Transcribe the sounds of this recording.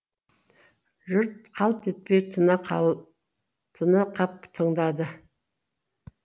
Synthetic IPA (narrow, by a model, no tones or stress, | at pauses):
ʒʊɾt̪qʰɑlˠp̪ʰet̪̚pet̪ʰ | t̪ʰənəqʰɑp̚t̪ʰəɴd̪ɑd̪ə